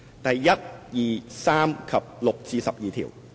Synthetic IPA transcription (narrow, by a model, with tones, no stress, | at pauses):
t̪ɛː˨˩ja˦˥t̪̚jiː˨˩saː˧˥˩mkʰa˨˩p̚lo˨˩k̚t͡ɕiː˧˩sa˨˩p̚jiː˨˩t̪ʰḭ˨˩˦w